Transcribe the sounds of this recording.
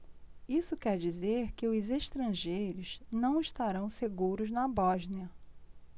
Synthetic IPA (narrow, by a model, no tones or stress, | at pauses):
isʊkɛɾd͡ʒizeɾkɪʊzeʃt̪ɾɐ̃ʒejɾʊz̥nɐ̃w̃iʃt̪aɾɐ̃w̃seɡuɾʊznɐbɔʒnɐ